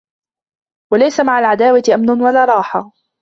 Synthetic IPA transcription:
walajsamaʕalʕad̪aːwat̪ɪʔamnʊnwalaːɾˤɑːħa

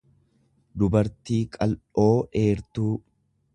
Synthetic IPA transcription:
d̪ʊbɐɾt̪iːkʼɐlo̞ːe̞ːɾt̪uː

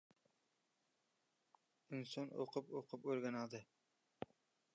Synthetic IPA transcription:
insono̰qʰʊpoqʰʊpoɾɡʲanɑd̪ɨ

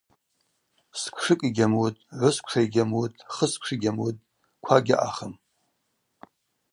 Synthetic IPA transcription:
skʷʰʂɨkʼiɡʲamutʼʕʷʊskʷʰʂʰaiɡʲamutʼχəskʷʰʂiɡʲamutʼ | kʷʰaɡʲaʔa̰χəm

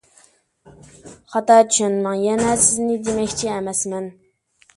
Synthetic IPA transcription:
χɑt̪ɑːt͡ʃʰyʃɛnmɛŋjɛnɛsɪznɪd̪emɛkʲt͡ʃʰiɛmɛsmɛn

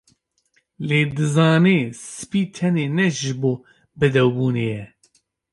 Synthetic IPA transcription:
leːd̪ɨzɑːneːsɨ̥piːt̪ʰɛneːnɛʒɨboː | bɨd̪ɛwbuːneːjɛ

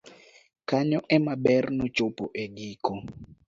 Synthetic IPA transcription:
kʰaɲɔʔɛmaɓɛrnɔ̥t͡ʃʼopʼɔʔeɡiːkɔ

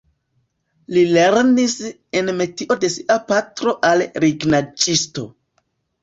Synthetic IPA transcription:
lile̞ɾnis | e̞nme̞tiʔode̞siʔapatɾo̞ʔalɾiɡnad͡ʒisto̞̰

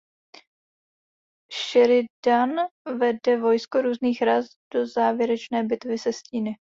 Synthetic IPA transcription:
ʃɛɾɪdanvɛdɛvo̞jskoɾuːzniːxɾaz | d̥o̞zaːvjɛɾɛt͡ʃnɛːbɪt̪vɪsɛsciːnɪ

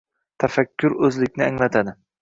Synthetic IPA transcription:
t̪ʰafakʲʰːʊɾɵzlɪkʲnɪaŋlat̪ʰad̪ɪ

